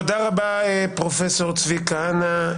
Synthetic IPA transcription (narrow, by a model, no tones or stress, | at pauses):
od̪aʁabaepʁofesoʁt͡svikaana